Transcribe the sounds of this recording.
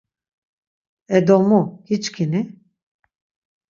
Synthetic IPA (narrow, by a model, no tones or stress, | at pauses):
ɛd̪ɔmuhit͡ʃkʰini